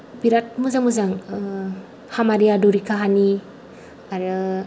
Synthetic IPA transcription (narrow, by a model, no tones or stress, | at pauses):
piɾat̚muzaŋmuzaŋ | hamaɾiaduɾikʰaɦani | aɾɯ